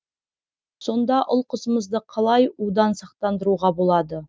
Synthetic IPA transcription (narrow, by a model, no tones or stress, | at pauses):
so̞nd̪ɑʔʊlˠqəzəməzd̪əqʰɑlˠɑjud̪ɑnsɑq̚t̪ɑnd̪əɾuʁɑbolˠɑd̪ə